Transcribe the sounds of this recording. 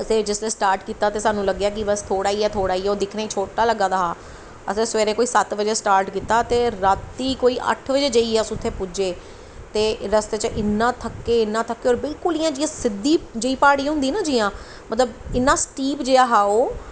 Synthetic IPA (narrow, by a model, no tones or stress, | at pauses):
əseːd͡ʒɪslẽsʈaːɾʈkiːt̪aːt̪eːsaːnũːləɡjaːk̬ɪbəst̪ʰoːɽaːiːɛːt̪ʰoːɽaːiːɛːoːd̪ɪkʰnaːiːt͡ʃʰoːʈaːləɡãːd̪aːɦaː | əsẽːsʋɛːɾẽːkoːiːsət̪ʋəd͡ʒeːsʈaːɾʈkiːt̪aːt̪eːɾaːt̪ːiːkoːiːʔə̰ʈʰʋəd͡ʒeːd͡ʒəiːɛːsʊt̪ʰːeːpʊd͡ʒeː | t̪eːɾəst̪eːt͡ʃəʔɪnːãːt̪ʰəkːeːɪnːãːt̪ʰəkːeːɔːɾbɪlkʊliːjãːd͡ʒiːãːsɪd̪ːiːd͡ʒəiːpaːɽiːɦʊ̃nd̪iːnãːd͡ʒiːjãː | mət̪ləbɪnːãːsʈiːpd͡ʒeːaːɦaːoː